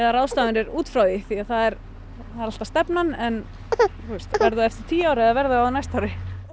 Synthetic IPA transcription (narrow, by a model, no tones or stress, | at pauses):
ɛðarawst̪aːðʏnɛɾuːt̪fɾawðɪθiaθaðɛɾ | θaðɛɾal̥t̪ast̪ɛpnanɛn | t̪ust̪vɛɾðʏɛft̪ɪ̥ɾ̥t̪ʰiːaːwɾɪɛðavɛɾðʏaðnajst̪awɾɪ